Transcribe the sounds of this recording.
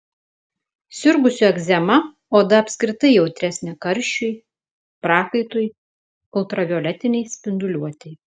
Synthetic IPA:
sʲʊɾɡʊsʲʊɛɡzʲɛmɐ | oːd̪ɐɐpʲsʲkɾʲɪt̪ɐɪjɛʊt̪ʲɾʲæsʲnʲɛkɐɾʲʃʲt͡ʃʲʊj | pɾɑːkɐɪt̪oːj | kɔlˠt̪ɾɐʋʲoːlʲɛt̪ʲɪnʲɛɪsʲpʲɪnd̪ʊlʲuɔt̪ʲɛɪ

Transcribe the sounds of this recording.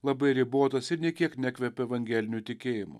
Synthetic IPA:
lˠɐbɐɪɾʲɪboːt̪ɐsɪɾnʲiɛkʲiɛknʲɛkʲʋʲɛpʲɛɛʋɐŋʲɡʲɛlʲɪnʲut̪ʲɪkʲeːjɪmʊ̰

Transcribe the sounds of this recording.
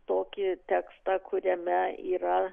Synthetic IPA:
t̪oːkʲɪt̪ʲɛkst̪ɑkʰʊɾʲɛmʲɛiːɾɐ

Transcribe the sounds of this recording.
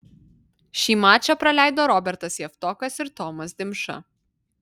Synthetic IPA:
ʃʲiːmɑːt͡ʃʲɐpɾɐlʲæˑɪd̪oːɾɔbʲɛɾt̪ɐsjɛft̪ɔːkɐsɪɾt̪ɔmɐsd̪ʲɪmʃɐ̰

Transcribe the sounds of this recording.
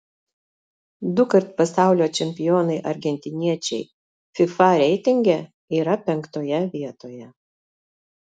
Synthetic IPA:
d̪ʊkɐɾt̪pɐsɑˑʊlʲoːt͡ʃʲɛmʲpʲɪjoːnɐɪʔɐɾʲɡʲɛnʲt̪ʲɪnʲiɛt͡ʃʲɛ̰ɪ | fʲɪfɐɾʲɛɪt̪ʲɪŋʲɡʲɛ | iːɾɐpʲɛŋkt̪oːjɛʋʲiɛt̪oːjɛ

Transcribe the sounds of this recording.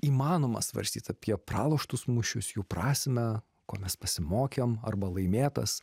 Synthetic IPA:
iːmɑːnoːmɐ̰sʋɐ̰ɾʲsʲt̪ʲiːt̪ɐpʲiɛpɾɑːlˠoʃt̪ʊsmʊʃʲʊsjuːpɾɑːsʲmʲɛ | koːmʲɛspɐsʲɪmoːkʲemɐ̰rbɐlˠɐɪmʲeːt̪ɐs

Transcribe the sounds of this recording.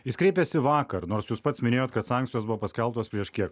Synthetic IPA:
ɪskɾʲɛɪpʲɛsʲɪʋɑːkɐɾnoːɾsjuːspɐt̪smʲɪnʲeːjoːt̪kɐt̪sɑˑŋʲkt̪ʲɪjoːsbʊʋoːpɐsʲkʲɛlˠt̪oːspʲɾʲiɛʃkʲiɛk

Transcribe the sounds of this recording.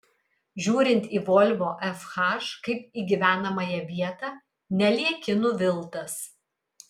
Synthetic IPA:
ʒʲuːɾʲɪnʲt̪ʲiːʋɔlʲʋoːʔɛfxɑʃkɐɪpiːɡʲiʋʲæːnɐmɐjɛʋʲiɛt̪ɑː | nʲɛlʲiɛkʲɪnʊʋʲɪlˠt̪ɐs

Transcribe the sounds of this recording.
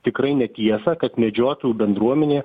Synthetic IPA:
t̪ʲɪkɾɐɪnʲɛt̪ʲiɛsɐkɐt̪mʲɛd͡ʒʲoːt̪ojuːbʲɛnd̪ɾuɔmʲɛnʲeː

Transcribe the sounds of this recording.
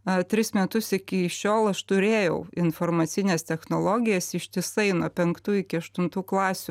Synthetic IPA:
ɐt̪ʲɾʲɪsmʲɛt̪ʊsɪkʲɪʃʲoːlˠɐʃt̪ʊɾʲeːjɛʊɪnfoːrmɐt̪sʲɪnʲeːst̪ʲɛxnoːlˠoːɡʲɪjɛsɪʃʲt̪ʲɪsɐɪnuɔpʲɛŋkt̪uːɪkʲɪɐʃt̪ʊnt̪uːklˠɑːsʲu

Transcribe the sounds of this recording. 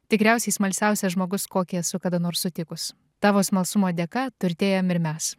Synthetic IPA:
t̪ʲɪkɾʲæˑʊsʲɛɪsmɐlʲsʲæˑʊsʲɛʒmoːɡʊskoːkʲiɛsʊkɐd̪ɐnoːɾsːʊt̪ʲɪkʊs | t̪ɑːʋoːsmɐlˠsʊmoːd̪ʲeːkɐt̪ʊɾʲt̪ʲeːjomɪɾmʲɛs

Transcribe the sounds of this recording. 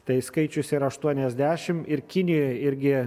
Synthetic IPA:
t̪ɐɪskɐɪt͡ʃʲʊsʲɪɾɐʃt̪uɔnʲɛzʲd̪ʲæːʃʲɪmɪɾkʲɪnʲɪjojɪɾʲɡʲɪ

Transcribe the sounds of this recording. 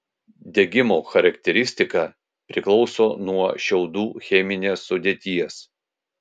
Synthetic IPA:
d̪ʲɛɡʲɪmoːxɐɾɐkt̪ʲɛɾʲɪsʲt̪ʲɪkɑ | pʲɾʲɪklˠɒʊsoːnuɔʃʲɛʊd̪uːxʲɛmʲɪnʲesːʊd̪ʲeːt̪ʲiɛs

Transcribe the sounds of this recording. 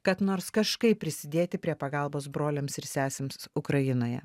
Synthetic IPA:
kɐt̪noːɾskɐʃkɐɪpʲːɾʲɪsʲɪd̪ʲeːt̪ʲɪpʲɾʲiɛpɐɡɐlˠboːs̬bɾoːlʲemsɪɾsʲæːsʲeːmsʊkɾɐjɪnoːjɛ̰

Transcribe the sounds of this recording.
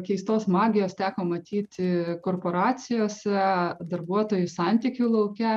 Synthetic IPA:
kʲɛɪst̪oːsmɑːɡʲɪjoːst̪ʲæːkoːmɐt̪ʲiːt̪ʲɪkoːrpoːɾɑːsʲɪjoːsʲɛd̪ɐɾbuɔt̪oːjʊsɑnʲt̪ʲɪkʲuːlˠɐʊkʲɛ

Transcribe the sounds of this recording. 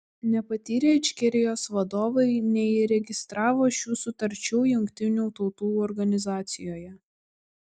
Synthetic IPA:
nʲɛpɐt̪ʲiːɾʲeːt͡ʃʲkʲɪɾʲɪjoːsʋɐd̪oːʋɐɪnʲɛiɪɾʲɛɡʲɪst̪ɾɑːʋoːʃʲuːsʊt̪ɐɾʲt͡ʃʲuːjʊŋʲkʲt̪ʲɪnʲuːt̪ɒʊt̪uːɔɾɡɐnʲɪzɑːt̪sʲɪjoːjɛ

